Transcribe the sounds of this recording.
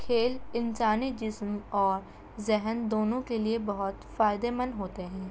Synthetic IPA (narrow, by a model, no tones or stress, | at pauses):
kʰeːlɪnsaːnid͡ʒɪsmɔːɾ | zɛɦənd̪oːnõkeliebɐɦʊt̪faːɪd̪emə̃nɦoːt̪eɦɛ̃ː